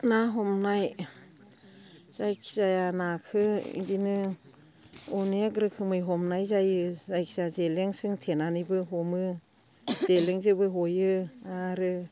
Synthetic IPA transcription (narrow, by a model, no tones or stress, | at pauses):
naɦɔmnaj | zajkʰi̥zajanakʰɯḭdinɯ | unek̬ɾɯkʰɯmɯjɦɔmnajzajɯzajkʰizazeleŋsɯŋtʰenanibɯɦomɯ | z̥eleŋzɯbɯɦojɯaɾɯ